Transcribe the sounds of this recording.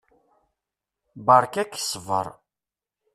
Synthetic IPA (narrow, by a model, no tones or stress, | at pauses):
bəɾˤkækːsəvə̰ɾˤ